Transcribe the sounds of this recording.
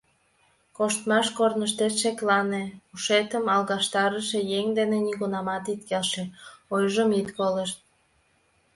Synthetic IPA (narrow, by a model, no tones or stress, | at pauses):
koʃt̪mɑʃkornəʃt̪et̪ʃeklɑneuʃet̪əmɑlɣɑʃt̪ɑɾəʃejeŋd̪eneniɣunɑmɑt̪it̪kelʃeojʒəmit̪koleʃt̪̚